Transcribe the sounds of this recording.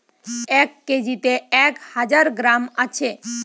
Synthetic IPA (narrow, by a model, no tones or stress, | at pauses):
ɛkːed͡ʒit̪eɛkhad͡ʒaɾɡɾamat͡ʃʰe